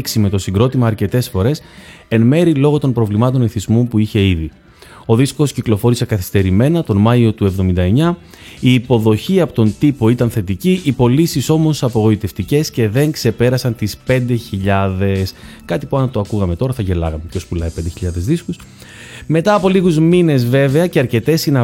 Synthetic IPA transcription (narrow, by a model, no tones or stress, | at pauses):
ksime̞t̪o̞siŋɡɾo̞t̪imɐːɾce̞t̪e̞sfo̞ɾe̞se̞nme̞ɾilo̞ɣo̞t̪o̞mpɾo̞vlimɐt̪o̞niθizmumpuiçe̞iði | o̞ðisko̞sciklo̞fo̞ɾise̞kɐθi̥st̪e̞ɾime̞nɐt̪o̞nmɐio̞t̪ue̞vðo̞mind̪ɐe̞ɲɐ | iːpo̞ðo̞çiɐpot̪o̞nt̪ipo̞it̪ɐnθe̞t̪iciʔipo̞lisiso̞mo̞sɐpo̞ɣo̞it̪e̞ft̪ice̞sce̞ðe̞ŋkse̞pe̞ɾɐsɐnt̪ispe̞nd̪e̞çiʎɐðe̞s | kɐt̪ipuɐnt̪oɐkuɣɐme̞t̪o̞ɾɐθɐʝe̞lɐ̰ɣɐme̞pço̞spulɐipe̞nd̪eçiʎɐðe̞zðiskus | me̞t̪ɐːpo̞liɣuzmine̞zve̞ve̞ɐceɐɾce̞t̪e̞sinɐ